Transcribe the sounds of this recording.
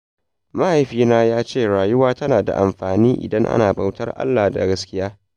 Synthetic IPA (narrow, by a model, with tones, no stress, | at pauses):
ma˦ha˨jɸiː˦naː˦jaː˦t͡ʃeː˦˨ɽaː˨jʊ˦waː˦tɐ˦naː˨da̰˨ʔa˨mɸaː˨niː˦ʔɪ̰˨dɐ˦ŋʔa̰˦naː˨ba˨wtɐ˦rʔa̰˦lːaː˨da̰˨ɡɐ˦skʲɪ˦jaː˦